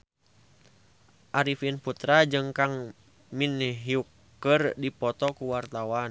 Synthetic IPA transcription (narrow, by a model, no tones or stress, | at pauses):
ʔaɾifinput̪ɾad͡ʒɨŋkaŋ | minɦiukː | ərdipɔt̪ɔkuwart̪awan